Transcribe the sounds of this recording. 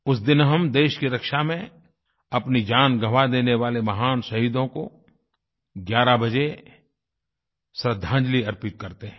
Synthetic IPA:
ʊs̬d̪ɪnɦɐmd̪eːʃkiɾɐkʃamẽ | ɐpnid͡ʒaːnɡʱɐʋad̪eːneʋaːlemɐɦaːnsɐɦiːd̪õko̰ | ɡjaːɾabɐd͡ʒe | sɾəd̪ʱãːd͡ʒliɐɾpɪt̪̚kɐɾt̪eɦɛ̃

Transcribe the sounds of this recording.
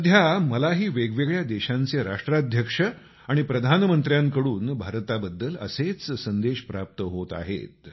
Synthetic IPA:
əd̪ʱjaməlaɦiːʋeɡʋeɡɭjad̪eɕãnt͡seɾa̰ʂʈɾad̪ʱjəkʂə | aɽ̃ipɾəd̪ʱanmənt̪ɾjaŋkəɽuːnbʱaɾt̪abəd̪ːələ̰set͡ssənd̪eɕpɾap̚t̪əɦot̪a̰ɦḛt̪

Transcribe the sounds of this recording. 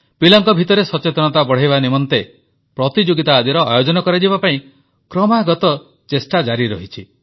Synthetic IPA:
pilɔŋkɔbʱit̪ɔɾesɔt͡ʃet̪ɔnɔt̪abɔɽ̤ajβanimɔnt̪e | pɾɔt̪id͡ʒoɡit̪aːd̪iɾɔʔa̰jod͡ʒɔnɔkɔɾad͡ʒibapaĩ | kɾɔmaɡɔt̪ɔ | t͡ʃesʈad͡ʒaɾiɾɔ̰ɦit͡ʃʰi

